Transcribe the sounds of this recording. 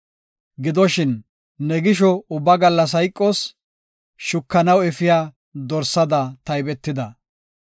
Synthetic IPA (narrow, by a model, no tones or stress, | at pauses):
ɡɪd̪ɔʃɪnː | ɛɡɪʃɔʊbːɐɡɐlːɐs̬ɐjkʼːɔs | ʃʊkːɐnɐwɛfɪjaː | d̪ɔɾsɐd̪ɐt̪ɐjbɛt̪ːɪd̪ɐ